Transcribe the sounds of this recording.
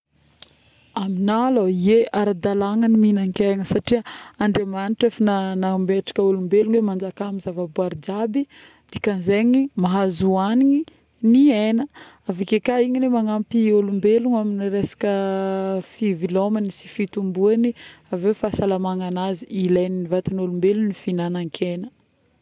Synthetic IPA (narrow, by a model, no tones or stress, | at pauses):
aminaloieʔaɾad̪alaŋəniminaŋkeŋəsaʈ͡ʂiəaɳɖ͡ʐemaniʈ͡ʂafinanambeʈ͡ʂḁkəulumbeluŋwemand͡ʒakamizavabuaɾid͡ʒabi | d̪̥ikanzeɲimaɦazuaniɲi | nienə | avikekaiɲilemaŋampiolumbeluŋaminiɾesḁkə | fivilomanisi̥fit̪umbuaniavewfasalamaŋanaziilajninivat̪anolumbelunifinanaŋkʰenə̥